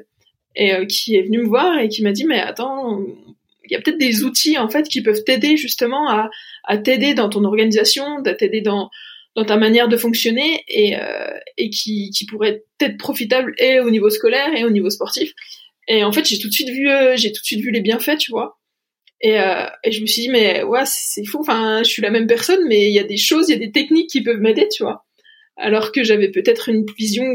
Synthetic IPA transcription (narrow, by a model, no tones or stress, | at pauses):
eøkʲʰiɛvənyməvwaʁekʲimad̪imɛa̰t̪ɑ̃ | ilja̰pət̪ɛt̪χd̪ezut̪iɑ̃fɛt̪kʲipœvt̪ed̪eʒyst̪əmɑ̃a̰ːt̪ed̪ed̪ɑ̃t̪̬ɔ̃nɔʁɡanizasjɔ̃d̪at̪ed̪ed̪ɑ̃d̪̥ɑ̃t̪amanjɛʁd̪əfɔ̃ksjɔneeø̰ekʲʰikʲipuʁɛt̪t̪ɛt̪χpχɔfit̪ableonivoskɔlɛʁeonivospɔʁt̪if | eɑ̃fɛt̪ʒet̪ut̪sɥit̪vyøʒet̪u̥t̪sɥit̪vylebjɛ̃fɛt̪yvwa | eø̰eʒəməsɥid̪imɛwasɛ̥sɛfuɑ̃fɛ̃ʒəsɥilamɛmpɛʁsɔnmɛiljad̪eʃozijad̪et̪ɛknikʲːipœvmed̪et̪yvwa̰ | a̰lɔʁkəʒavɛpøt̪ɛt̪χynvizjɔ̃